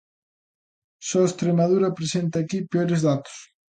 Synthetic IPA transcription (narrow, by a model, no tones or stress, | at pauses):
sɔest̪ɾemaðuɾɐpɾesent̪aːkipeoɾezðat̪ʊ̥s